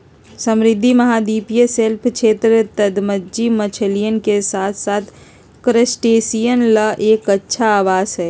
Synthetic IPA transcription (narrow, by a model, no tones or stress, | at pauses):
səmɾɪd̪ʱːimɐɦaːd̪iːpijəselpʰkʃʰeːt̪ɾət̪əd̪məd͡ʒimət͡ʃʰəlijənkesaːt̪ʰsaːt̪ʰ | kɾəsʈeːsijənləʔeːkɐtːʃʰaːʋaːzɦɛː